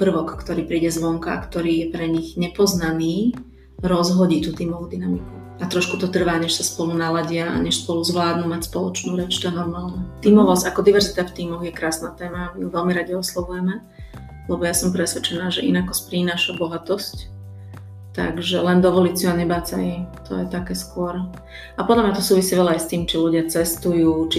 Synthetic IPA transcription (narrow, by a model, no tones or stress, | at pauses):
pr̩ʋɔkːt̪ɔɾiːpɾiːɟɛzʋɔŋka̰kt̪ɔɾiːjɛpɾɛɲiɣɲɛpɔznaniː | ɾɔzɦɔɟiːt̪uːt̪iːmɔʋud̪inamiku | at̪ɾɔʃkut̪ɔt̪r̩ʋaːɲɛʃsaspɔlunalaɟɪaʔa̰ɲɛʃspɔluzʋlaːd̪numacspɔlɔ̰t͡ʃnuːɾɛt͡ʃt̪aɛnɔɾmaːlɲɛt̪iːmɔʋɔsakɔd̪iʋɛɾzit̪aft̪iːmɔɣjɛkɾaːsnaːt̪ɛːmamiuʋɛlmiɾaɟiɔslˠɔʋujɛmɛ | lɛbɔjasɔmpɾɛsʋɛt͡ʃɛnaːʒɛʔinakɔspɾinaːʃabɔɦat̪ɔsc | t̪a̰ɡʒɛlɛnd̪ɔʋɔliːsuaɲɛbaːt͡saimt̪ʰɔ̰jɛt̪akɛːskʊɔɾ | apɔd̪lamɲat̪ɔsuːʋisiʋɛlaajst̪iːmt͡ʃiluɟɪat͡sɛst̪ujuːt͡ʃi